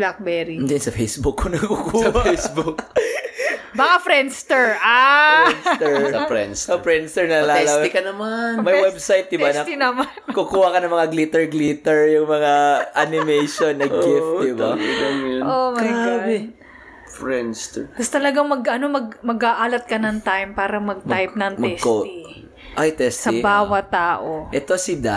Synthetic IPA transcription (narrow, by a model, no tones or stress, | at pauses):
blak̚bɛːɾid̪ɪnsɐfejsbʊkːonɐkukuɐejsbʊk | baːkafɾɛnst̪ɛɹʔanst̪ɛɹsɐfɾɛ̰nsofɹɛnst̪ɛɹnɐlaːɛlaɪkɐnɐmanmɐjwɛbsajt̪̚d̪ɪbanɐinɐmankʊkuːhɐkɐnɐŋmɐŋaɡlit̪ɛɹɡlit̪ɛɹjʊŋmɐŋaʔanɪmɛjʃonːɐɡɪft̪d̪ɪbaɡɐŋʔomɐjabɛ | fɹɛnst̪ɛkɐst̪ɐlɐɡɐŋmɐɡɐnomɐɡ̚mɐɡaʔaːlɐt̪̚kɐnɐŋt̪ajmpaːɾɐmɐɡ̚t̪ajp̚nɐŋmɐɛɡskoi | ʔajt̪ɛstsɐibaːwɐt̪ːaːʔoʔɛt̪osɪd̪a